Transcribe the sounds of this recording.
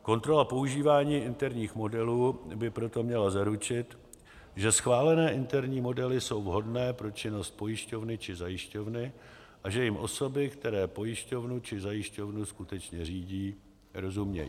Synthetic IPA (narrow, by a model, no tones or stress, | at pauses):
ko̞nt̪ɾo̞lapo̞uʒiːvaːɲiːʔɪnt̪ɛɾɲiːxmo̞dɛluːbɪpɾo̞t̪o̞mɲɛlazaɾut͡ʃɪt̪ | ʒɛsxvaːlɛnɛːʔɪnt̪ɛɾɲiːmo̞dɛlɪso̞wvɦo̞dnɛːpɾo̞t͡ʃɪno̞st̪̚po̞jɪʃco̞vnɪt͡ʃɪzajɪʃco̞vnɪ | ʔaʒɛjɪmʔo̞̰so̞bɪkt̪ɛɾɛːpo̞jɪʃco̞vnut͡ʃɪzajɪʃco̞vnuskut̪ɛt͡ʃɲɛr̝iːɟiː | ɾo̞zumɲɛ̰